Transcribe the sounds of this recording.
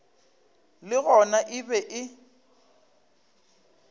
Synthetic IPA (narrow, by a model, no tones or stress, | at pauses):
lɪɣɔnaʔɪbɛʔɪ